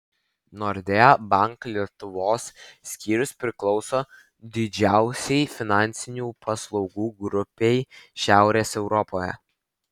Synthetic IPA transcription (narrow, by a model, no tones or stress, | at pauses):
nɔɾʲd̪ʲebɐŋklʲiɛt̪ʊʋoːsːʲkʲiːɾʲʊspʲɾʲɪklˠɒʊsoː | d̪ʲɪd͡ʒʲæˑʊsʲɛɪfʲɪnɑˑnʲˑt̪sʲɪnʲuːpʰɐslˠɒʊɡuːɡɾʊpʲɛɪʃʲæˑʊɾʲeːsɛʊɾɔpoːjɛ̰